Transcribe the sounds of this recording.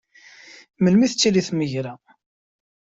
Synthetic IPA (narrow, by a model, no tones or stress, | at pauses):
məlmiθət͡sːiliθməʝɾæ